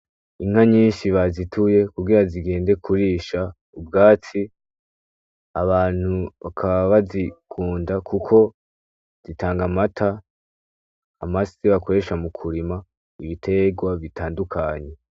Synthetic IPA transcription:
iŋ̥haɲiːnʃiβazitʰuje̞kuɡiɾaziɡe̞ːnde̞kʰuɾiːʃa | ubɡaːt͡si | aβaːn̥huβakʰaβaβazikʰuːndakʰukʰo̞ | z̥itʰaːŋɡamatʰa | a̰masiβako̞ɾe̞ʃamukʰuɾima | iβitʰe̞ɡwaβitʰaːndukʰaɲe̞

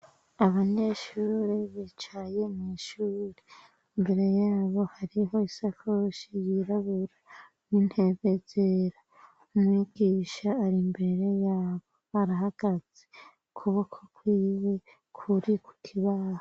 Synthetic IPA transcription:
aβaɲe̞ʃuːɾeβit͡ʃaje̞miʃuːɾe | imbe̞ɾe̞jaːβo̞haɾiɦo̞isakʰoʃijiɾaβuɾa | nin̥he̞βe̞zeɾa | umŋiɡ̥iːʃaːɾimbe̞ɾe̞jaːβo̞aɾaɦaɡ̥az̥e | kʰuβakʰokwiːwe̞ | kʰuɾiku̥tʰiβaːha

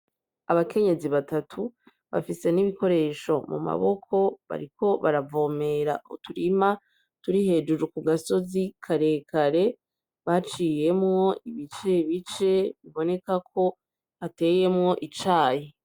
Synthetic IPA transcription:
aβake̞ɲe̞ziβatatʰu | βa̰fise̞niβiko̞ɾe̞ːʃo̞mṵma̰βo̞kʰo̞βa̰ɾiko̞βaɾavo̞ːme̞ɾa̰ṵtuɾima | tuɾihe̞ːd͡ʒuɾukuɡaso̞zikʰaɾe̞kʰaɾe̞ | βat͡ʃiːje̞mŋo̞iβit͡ʃe̞βit͡ʃe̞βiβo̞ne̞kakʰo̞ | ate̞ːje̞mŋo̞ʔit͡ʃaːje

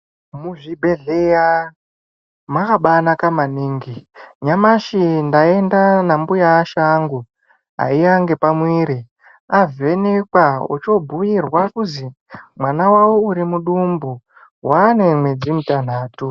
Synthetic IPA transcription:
muʐibʱe̞ɮeja | makaɓanakamaniːŋɡiɲamaʃindae̞ndanambujaːʃaŋɡu | a̰ijaŋɡe̞pamwiːɾi | ave̞nekwaṵt͡ʃo̞bʱujirwakuzi | mwanawawouɾimuɗumbu | wane̞mwe̞d͡zimutan̤aːtu

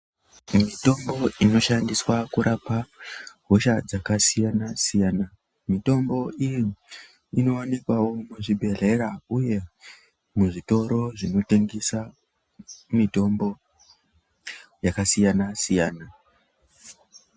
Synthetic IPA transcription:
mito̞mbo̞ino̞ʃandiswakuɾʔapaɦo̞ʃad͡zakasijanasijaːna | mito̞mbo̞ʔiji | ino̞anikwao̞muʐibʱe̞r̤e̞ɾauje̞ | muʐito̞ɾo̞ʐino̞teŋɡisa | mito̞mbo̞ | jakasijanasijaːna

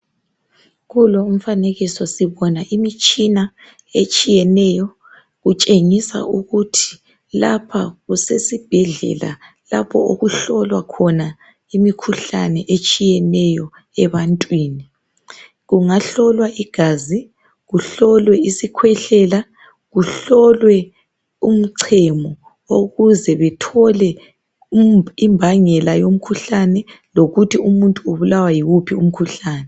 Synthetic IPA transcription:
ɣulɔum̩faneɣisɔsiβɔnaʔimit͡ʃʼina | et͡ʃʼijɛnɛjɔ | ɣut͡ʃʼeŋisa̰ʔuɣutʰi̥ | lapʰaɣusesib̥ʱɛɮɛ̰la̰ | lapʰɔoɣuɬɔlwakʰɔna | imikʰuɬanɛʔet͡ʃʼijɛnɛjɔ | ɛβantʼwiːni | ɣuŋaɬɔlwaʔiɡ̥ʱaːzi | ɣuɬɔlwɛisikʰwɛɬɛːla | ɣuɬɔlwɛ | um̩ǀʰɛmɔ | oɣuzɛβɛtʰɔlɛ | imbʱaŋɛlajom̩kʰuɬanɛ | loɣutʰiumuntʼuuβulawajiɣupʰium̩kʰuɬaːnɛ

